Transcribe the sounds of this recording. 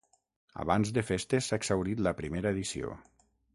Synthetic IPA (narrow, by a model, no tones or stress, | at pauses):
a̰βanzd̪efest̪esaeɡz̥awɾit̪ləpɾimeɾəeðisio̰